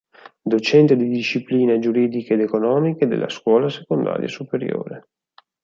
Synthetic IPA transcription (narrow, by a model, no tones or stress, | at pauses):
d̪ot͡ʃɛnt̪ed̪id̪iʃːipliːned͡ʒuɾiːd̪ikaeːd̪ekonɔːmiked̪ḛlːa̰skwɔːlasekond̪a̰ːɾjasupeɾjo̰ːɾe